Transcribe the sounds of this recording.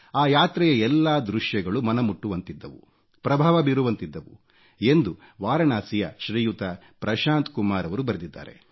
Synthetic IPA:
aːjaːt̪ɾɛjɐɛlːaːd̪ɾuʃjɐɡɐɭumɐnɐmuʈːuʋɐnt̪id̪ːɐʋṵ | pɾɐbʱaːʋɐbiɾuʋɐnt̪id̪ːɐʋu | e̞nd̪u | ʋaːɾɐnaːsijɐʃɾiːjut̪ɐ | pɾɐʃaːnt̪kumaːɾɐʋɐɾubɐɾɐd̪id̪ːa̰ːɾe̞̰

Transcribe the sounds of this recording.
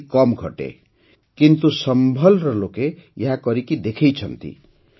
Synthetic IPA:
kʌmɡʱʌ̰ʈḛ | kint̪usʌmbʱʌlrʌlokejʌɦãkʌɾikid̪ekʰejt͡sʰʌ̰nt̪ḭ

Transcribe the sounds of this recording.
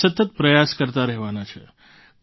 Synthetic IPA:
ət̪ət̪pɾəjaskəɾt̪aɾɛɦʋanat͡ʃʰḛ

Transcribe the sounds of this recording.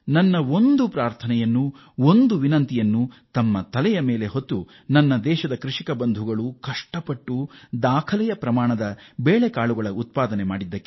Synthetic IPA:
nɐnːɐo̞nd̪upɾaːɾt̪ʰɐnɛjɐnːu | ond̪uʋinɐnt̪ijɐnːut̪ɐmːɐt̪ɐlɛjɐmeːleɦot̪ːu | nɐnːɐd̪ɛːʃɐd̪ɐkɾuʂikɐbɐnd̪ʱuɡɐɭukɐʂʈɐpɐʈːud̪aːkʰɐlɛjɐpɾɐmaːɳɐd̪ɐbeːɭekaːɭuɡɐɭɐut̪̚paːd̪ɐnemaːɽid̪ːɐkːe

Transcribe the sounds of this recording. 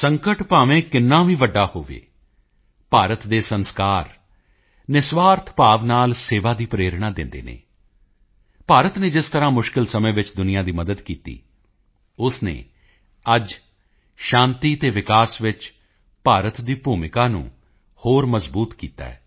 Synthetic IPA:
səŋkəʈpaːʋẽːkɪnːãːʋĩːʋəɖːaːhoːʋḛː | paːɾət̪d̪eːsənskaːɾ | nɪsʋaːɾt̪ʰpaːʋnaːlseːʋaːd̪iːpɾeːɾɳaːd̪ɪ̃nd̪ḛːnḛː | paːɾət̪neːd͡ʒɪst̪əɾãːmʊʃkɪlsəmẽːʋɪt͡ʃd̪ʊnɪjaːd̪iːməd̪əd̪kiːt̪ḭː | ʊsnḛː | əd͡ʒ | ʃãːnt̪iːt̪eːʋɪkaːsʋɪt͡ʃ | paːɾət̪d̪iːpuːmɪkaːnṵ̃ː | hoːɾməzbuːt̪kiːt̪a̰ːɛ̰ː

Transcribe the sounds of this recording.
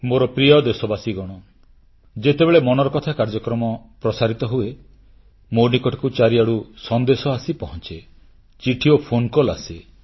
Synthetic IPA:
moɾɔpɾijɔd̪esɔbasiɡɔɽ̃ɔ | d͡ʒet̪ebeɭemɔnɔɾɔkɔt̪ʰakaɾd͡ʒɔkɾɔmɔpɾɔsaɾit̪ɔɦue | monikɔʈɔ̥kut͡ʃaɾiaɽusɔnd̪esɔasipɔɦɔnt͡ʃe | t͡ʃiʈʰiopʰonkɔla̰se

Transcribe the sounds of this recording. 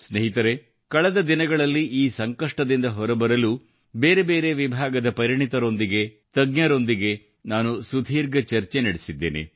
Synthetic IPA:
sneɦit̪ɐɾe̞ | kɐɭɐd̪ɐd̪inɐɡɐɭɐlːiʔiːsɐŋkɐʂʈɐd̪ind̪ɐɦɔɾɐbɐɾɐlu | be̞ːɾebe̞ːɾe̞ʋibʱaːɡɐd̪ɐpɐɾiɳit̪ɐɾo̞nd̪iɡe̞ | t̪ɐɡɲɐɾo̞nd̪iɡe̞ | naːnusud̪ʱiːɾɡɐt͡ʃɐɾt͡ʃe̞nɐɽesid̪ːḛːnḛ

